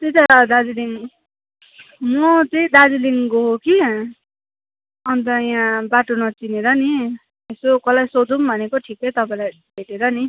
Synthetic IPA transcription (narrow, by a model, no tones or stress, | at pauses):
t̪it̪ʌɾʌd̪ad͡ziliŋ | mʌt͡sʌĩd̪ad͡ziliŋkoɦoki | ʌnt̪ʌjãbaʈonʌt͡sineɾʌni | esokʌlajsod̪umbʱʌnekoʈʰikːʌjt̪ʌpãĩlaj | bʱeʈeɾʌni